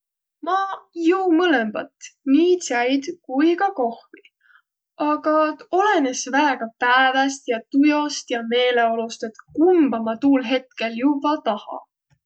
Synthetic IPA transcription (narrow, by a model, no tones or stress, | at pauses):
mɑjɤwmɤlemb̥ɑ̰t̪niːt̪sæjd̪̥kujkɑko̞hvi | ɑɡ̥ɑo̞le̞nesvæeɡ̥ɑpæevest̪jɑt̪ujo̞st̪jɑme̞ːle̞o̞lust̪et̪kumb̥ɑmɑt̪uːlɦe̞t̪ke̞ljubɑt̪ɑhɑ̰